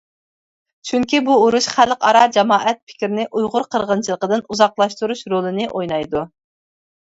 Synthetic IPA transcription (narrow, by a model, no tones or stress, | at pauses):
t͡ʃʰyŋkʲibuuɾuʃχælqɑɾɑd͡ʒɛmɑːʔɛt̪̚pʰɪ̥kʲɾɪnɪʔujʁʊɾqʰəɾʁənt͡ʃʰilˠəqəd̪ɨnuzɑqlˠɑʃt̪uɾuʃɾolˠɨnɨʔojnɑjd̪u